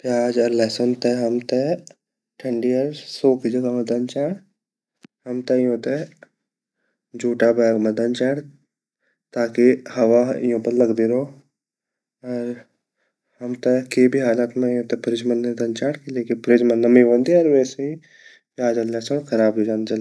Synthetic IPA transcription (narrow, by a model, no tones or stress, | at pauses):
pjaːd͡ʒɐɾlɛːsont̪eɦɐmt̪e | ʈʰə̃ɳɖiɐɾsoːkid͡ʒɐɡamɐ̃d̪ɐnt͡ʃaːɽ | hɐmt̪ejõːt̪e | d͡ʒuːʈabɛːɡmɐd̪ɐnt͡ʃaːɽ | t̪aːkihɐʋajõːpɐɾlɐɡd̪iɾoː | ɔɾ | hɐmt̪ekebʱiɦaːlaːt̪mẽõːt̪epɐɾɪd͡ʒmɐnːed̪ɐnt͡ʃaːɽkileːkipɾed͡ʒmɐnːɐmiʋõːnd̪iɔːɾʋɛːseɦi | pjaːd͡ʒɐɾlɛːsonkʰɐɾaːbd͡ʒod͡ʒaːnd͡ʒɐl